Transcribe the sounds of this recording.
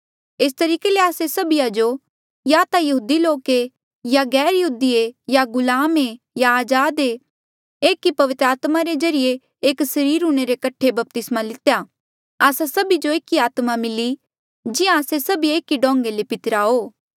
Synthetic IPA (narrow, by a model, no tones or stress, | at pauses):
eːst̪ɐɾiːkeleaːsesɐbijad͡ʒo | jaːt̪ajɐɦuːd̪iloːke | jaɡɛːɾjɐɦuːd̪iejaɡʊlaːme | jaːd͡ʒaːd̪e | eːkipɐʋɪt̪ɾaːt̪maɾed͡ʒɐɾɪje | eːksɐɾiːɾɦʊɽ̃eɾekɐʈʰebɐp̚t̪ɪsmalɪt̪eja | aːsasɐbid͡ʒoeːkiaːt̪mamɪli | d͡ʒɪjãːsesɐbieːkiɖɔ̃ːŋ̆ɡelepɪt̪ɪɾaɦoː